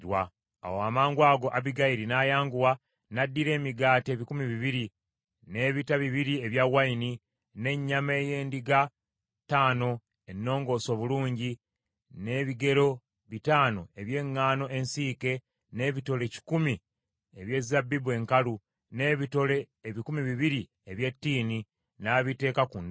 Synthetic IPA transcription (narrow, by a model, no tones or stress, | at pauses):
wa̰ː | woamaːŋɡwaːɡo̞ʔaβiɡaiɾinajaːŋɡuwa | nadːiɾe̞ːmiɡaːte̞ːβikumiβiβiɾi | ne̞ːβitaβiβiɾie̞βjawaini | ne̞ɲːame̞ːje̞ːndiɡa | taːno̞ | e̞nːo̞ːŋɡo̞ːso̞βuluːɲɟi | ne̞ːβiɡe̞ɾo̞ | βitaːno̞e̞βje̞ːŋːaːno̞e̞nsiːke̞ | ne̞ːβito̞le̞ci̥kumi | eβje̞ːzabːibue̞ːŋkalu | neβito̞leːβikumiβiβiɾi | eβje̞tːiːni | naβite̞ːkakun